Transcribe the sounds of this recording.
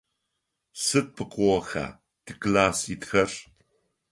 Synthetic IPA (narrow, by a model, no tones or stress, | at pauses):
sɨt̚pʰɨqʷʼowɐxa̰ː | tʰɨklaːsitxɐr